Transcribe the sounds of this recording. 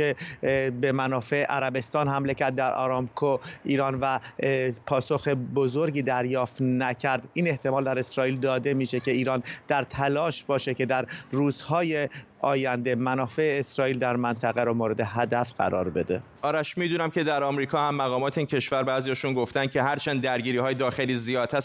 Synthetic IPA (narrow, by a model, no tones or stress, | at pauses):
ebe̞mænɒːfe̞eʔæɾæbe̞st̪ɒːnɦæmlecæɾd̪̚ːæɾʔɒ̰ɾɒːmkʰoiːɾɒːnvæ | pʰɒːso̞xebo̞zo̞ɾɟiːd̪æɾjɒːft̪næcʰæɾd̪iːne̞ht̪ʰe̞mɒːld̪æɾe̞sɾɒːʔiːld̪ɒːd̪e̞miːʃe̞ce̞iːɾɒːnd̪̥æɾt̪ʰælɒːʃbɒːʃe̞ce̞d̪æɾruːz̥hɒːje̞ | ɒːjænd̪e̞mænɒːfe̞eːsɾɒːiːld̪æɾmænt̪ʰæɣæɾɔmoːɾe̞d̪e̞ɦæd̪æfɢ̥æ̰ɾɒ̰ːɾbe̞d̪e̞̰ | ɒːɾæʃmid̪uːnæmcʲʰed̪æɾɒmɾiːkʰɒːhæmːæɣɒːmɒːt̪ʰeiːncʰe̞ʃvæɾbæːzijɒʃunɡoft̪æn̥̚cʰe̞ɦæɾt͡ʃʰænd̪ːæɾɡiːɾiːhɒːjed̪ɒːxeliːzijɒːd̪̥ʰhæs